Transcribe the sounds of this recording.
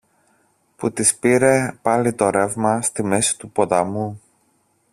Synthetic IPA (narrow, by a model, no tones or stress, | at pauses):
put̪ispiɾe̞pɐlit̪o̞ɾe̞vmɐst̪imesi̥t̪upo̞t̪ɐmu